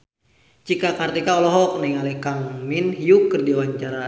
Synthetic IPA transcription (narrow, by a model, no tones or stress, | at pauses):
t͡ʃikakart̪ikaɔlɔɦɔk̚nɛŋalɛkaŋminijukːɨrdiwaɲt͡ʃaɾa